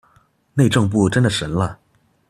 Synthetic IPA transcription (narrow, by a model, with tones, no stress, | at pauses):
ne˥˧ɪʈ͡ʂɤ˥˧ŋp̬u˥˩ʈ͡ʂə˥nd̪ə˨˩ʂə˧˥nlə˧